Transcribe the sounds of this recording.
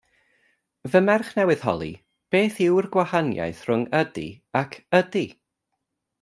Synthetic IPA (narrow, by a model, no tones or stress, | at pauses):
vəmɛrχnɛwɨð̥ɦɔ̰lˠḭ | b̥eːθɪwrɡwahanja̰jθrʊŋədḭ | akʰədi